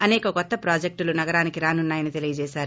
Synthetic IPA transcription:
ɐnɛːkɐkɔt̪ːɐpɾaːd͡ʒek̚ʈulunɐɡɐɾaːnikiɾaːnunːaːjɐnit̪elijɐd͡ʒɛːsaːɾu

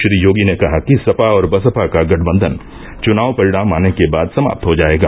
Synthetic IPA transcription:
ʃɾiːjoːɡinekɐɦakisɐpaɔːɾbɐsəpakaɡɐʈʰbə̃nd̪ʱən | t͡ʃʊnaːʋpɐɾɪɽaːmaːnekebaːd̪sɐma̰ːp̚t̪ɦod͡ʒaːeːɡaː

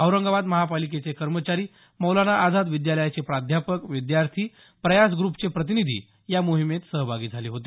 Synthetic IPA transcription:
ɦəwɾəŋɡabad̪məɦapalik̬et͡sekəɾmət͡ɕaɾiː | mowlanaʔad͡zad̪ʋid̪jaləjat͡sepɾad̪ʱjapəkʋid̪jaɾt̪ʰiː | pɾəjasɡɾupt͡sepɾət̪̬inid̪ʱḭː | jamoɦimet̪səɦbʱaɡiːd͡zʱaliːɦot̪e

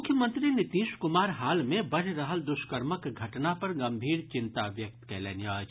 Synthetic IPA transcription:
ʊkʰjəmə̃nt̪ɾinɪt̪iːʃkʊmaːɾɦaːlmẽbɐɽ̤ɾɐɦəld̪ʊʃkəɾməkɡʱɐʈnapɐɾɡɐ̃mbʱiːɾt͡ʃɪ̃nt̪aʋjɐk̚t̪kɛːlḛːnjaːd͡ʒ

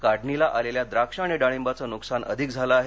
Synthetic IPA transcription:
kaɽɳilaʔaleljad̪ɾakʂaːɽ̃iɖaɽ̃embat͡sənuksanʔə̰d̪ʱikd͡zʱalaːɦe

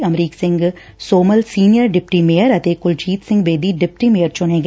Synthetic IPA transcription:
ɐmɾiːksɪ̃ŋɡ | soːməlsiːnijəɾɖɪpʈimeːəɾɐt̪eːkʊlt͡ʃiːt̪sɪ̃ŋɡbeːd̪iɖɪp̚ʈimeːəɾt͡ʃʊnẽːɡ

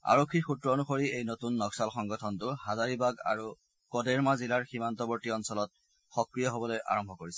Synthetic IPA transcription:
a̰ɹokʰːixutɹɔnuxoɹiejnotunːɔksalxɔŋɡɔtʰɔntʊhazaɹibaɡa̰ɹu | kɔdeɹmazilaɹximantɔbɔɹtiɔnsɔlɔt̚ | xɔkɹijɔɦobɔlojʔa̰ɹɔmbʱɔkoɹisɛ̥

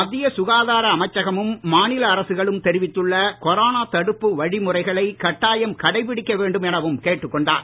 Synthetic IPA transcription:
mɐd̪ːɪjɐsʊɣaːðaːɾɐːmɐt͡ʃːɐɣɐmɯmːaːnɪlɐːɾɐsɯɣɐɭɯmt̪ɛɾɪʋɪt̪ːɯɭːɐkɔɾoːnaːt̪ɐɽɯpːɯʋɐɻimʊrɐɪɣɐɭɐɪkɐʈːaːjɐmkɐɽɐɪpːɪɽɪkːɐʋeːɳɖɯmɛnɐʋɯmkeːʈːɯkːɔɳɖa̰ːɾ

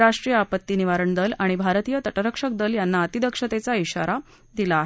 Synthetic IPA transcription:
ɾaʂʈɾijəapət̪ːiniʋaɾəɳd̪əlaɽ̃ibʱaɾt̪ijət̪əʈəɾəkʂək̚d̪əljanːaːt̪id̪əkʂət̪et͡saiɕa̰ɾa | d̪ilaːɦe

